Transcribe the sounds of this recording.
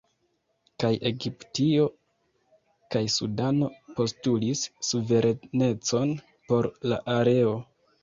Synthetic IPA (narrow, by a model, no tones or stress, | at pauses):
kajʔe̞ɡiptio̞ | kajsṵdano̞po̞stulisːuve̞ɾʔene̞t͡so̞n | po̞ɾla̰ʔaɾe̞o̞